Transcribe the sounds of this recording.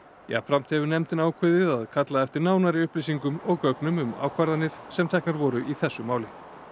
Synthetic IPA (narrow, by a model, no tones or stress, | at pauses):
ja̰fɾam̥t̪hɛvʏɾnɛmt̪ɪnaːwkʰɪðɪðaðkʰat̪laðɛft̪ɪɾnaːwnaɾiʏhplisiŋkʏmɔɣkœknʏmʏma̰ːwkʰvaɾðanːɪɾ̥sɛmt̪ʰɛknaɾvɔːɾʏʔiθɛsːʏmaːwlɪ